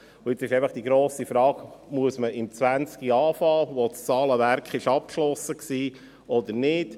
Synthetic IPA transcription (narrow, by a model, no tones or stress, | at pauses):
ʊɪt͡sɪʃɛɪfəχd̥iɡɾoːsifɾɑːɡmuəsməʔɪmt͡sʋænt͡skiɑːfɑːʋot͡st͡sɑːləʋæɾkχɪʃɑp̚kʃlɔsəksiː | ɔd̪əɾnɪd̥